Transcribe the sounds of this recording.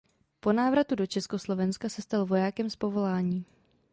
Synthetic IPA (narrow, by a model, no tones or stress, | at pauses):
po̞naːvɾat̪udo̞t͡ʃɛsko̞slo̞vɛnskasɛst̪alvo̞jaːkɛmspo̞vo̞laːɲiː